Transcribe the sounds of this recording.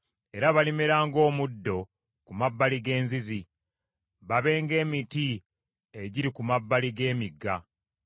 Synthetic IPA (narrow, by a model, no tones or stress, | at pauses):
e̞ɾaβalimeɾaːŋɡo̞ːmudːo̞ | kumabːaliɡe̞ːnzizi | βaβe̞ːŋɡe̞ːmiti | eɟiɾikumabːaliɡe̞ːmiɡːa̰